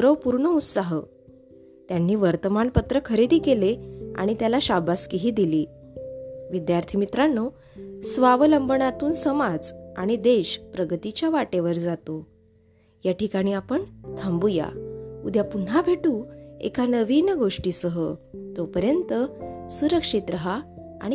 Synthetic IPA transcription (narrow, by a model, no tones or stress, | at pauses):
ɾəʋpuɾɳəut̪saɦə | t̪janːiːʋəɾt̪əmaɳpət̪ɾəkʰəɾed̪ʱiːkelea̰ɽ̃it̪jalaɕabaskiɦiːd̪iliː | ʋid̪jaɾt̪ʰimit̪ɾanːo | sʋaʋləmbəɳat̪uːnsəmad͡zaɽ̃id̪eɕpɾəɡət̪it͡ɕjaʋaʈeʋəɾd͡zat̪o | jaʈʰikaɽ̃iːapəɳt̪ʰambuja̰ud̪ʱjapun̤abʱeʈuːḛkʰanəʋiːnɡoʂʈiːsəɦət̪opəɾjənt̪əsuɾəkʂit̪ɾəɦa | a̰ɽ̃i